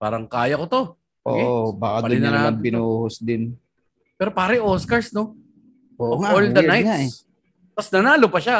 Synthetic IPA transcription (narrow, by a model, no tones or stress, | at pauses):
paːɾɐŋkaːjɐkot̪o̞ | ʔoːobaːkɐdpɐd̪ɪnɐnmɐnpɪnohosd̪ɪn | pɛːɾopaːɾɪʔoːskɐɹsno | ʔoʔoʔoldd̪ɐaja | mɐsnɐnaːlopɐʃa